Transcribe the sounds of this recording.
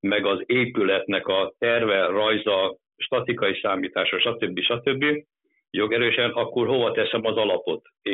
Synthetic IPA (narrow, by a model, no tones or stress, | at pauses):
mɛɡɒzeːpylɛt̪nɛkɒt̪ɛrvɛrɒjzɒ | ʃt̪ɒt̪ikɒjisaːmiːt̪aːʃɒʃɒt̪ø̞bːiʃɒt̪ø̞bːi | jo̞ɡɛɾøːʃɛnɒkːorho̞vɒt̪ɛsɛmɒzɒlɒpo̞t̪ | e